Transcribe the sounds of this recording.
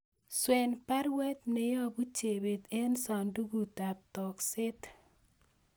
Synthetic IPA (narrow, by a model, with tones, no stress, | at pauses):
swɛ˨npa˦ɾwɛ˦t̪̚ne˨jɔ˦bu˦t͡ʃe˨be˨t̪ɛ˦nsɔ˨ndu˦ɡu˨ta˨p̚tɔ˨ksɪ˦t̪